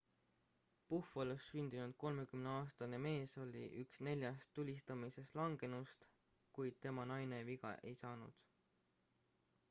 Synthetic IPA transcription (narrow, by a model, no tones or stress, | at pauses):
pufolusːynʲd̪̥inud̪̥̚ko̞lme̞kymne̞ɑːst̪ɑne̞me̞ːso̞lʲḭʔyksne̞lʲjɑst̪ːulʲist̪ɑmise̞st̪lɑŋɡ̥e̞nust̪ | kujd̪̥̚t̪e̞mɑnɑjne̞viɡɑ̰ʔe̞̰jsɑːnṵd̪̥